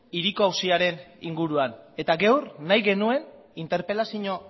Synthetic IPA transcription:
iɾikoawsiaɾe̞nḭŋɡuɾuane̞t̪aɡe̞wrnajɣe̞nue̞n | int̪e̞ɾpe̞lasiɲo̞

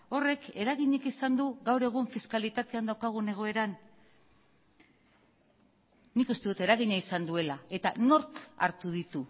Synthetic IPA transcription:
o̞re̞ke̞ɾaɣiɲekisand̪uɣawɾe̞ɣ̞uɱfiskalit̪at̪e̞and̪awkaɣ̞une̞ɣ̞o̞e̞ɾan | nikust̪e̞ðut̪e̞ɾaɣ̞iɲaisand̪ue̞lae̞t̪a̰no̞ɾka̰ɾt̪uðit̪u

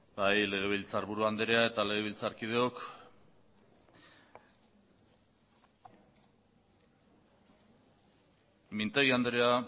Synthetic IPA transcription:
bajle̞ɣ̞e̞βilt͡saɾβuɾuand̪eɾeae̞t̪ale̞ɣ̞e̞β̞ilt͡saɾkið̞e̞ok | mint̪eɣiand̪eɾea

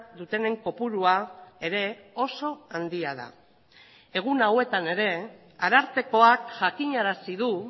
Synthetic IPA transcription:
d̪ut̪e̞ne̞ŋko̞puɾuae̞ɾe̞o̞so̞and̪iað̞a̰ | e̞ɣ̞unawe̞t̪ane̞ɾe̞ | aɾaɾt̪e̞ko̞akʝakiɲaɾasiðu

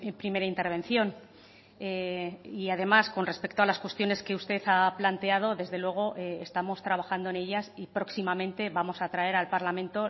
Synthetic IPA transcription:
pɾime̞ɾaint̪e̞ɾβ̞e̞nθjo̞n | eiaðe̞masko̞nre̞spe̞kt̪oalaskwe̞st̪jo̞ne̞ske̞ust̪e̞θaplant̪e̞að̞o̞ðe̞zðe̞lwe̞ɣ̞o̞ʔeest̪amo̞st̪ɾaβ̞axand̪oe̞ne̞ʎasipɾo̞ksimamẽ̞nt̪e̞βamo̞sat̪ɾae̞ɾalpaɾlamẽ̞nt̪o̞

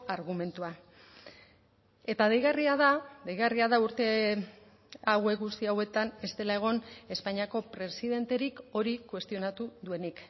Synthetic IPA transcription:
aɾɣ̞ume̞nt̪ua | e̞t̪aðejɣariaðad̪ejɣariaðauɾt̪e̞ | awe̞kɣust̪iawe̞t̪ane̞st̪e̞lae̞ɣ̞o̞ne̞spaɲiako̞pɾe̞siðe̞nt̪e̞ɾiko̞ɾikwe̞st̪io̞nat̪uðue̞nik

